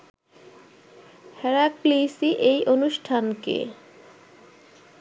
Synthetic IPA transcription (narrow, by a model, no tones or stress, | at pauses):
hɛɾaklisiʔejʔonuʃʈʰankḛ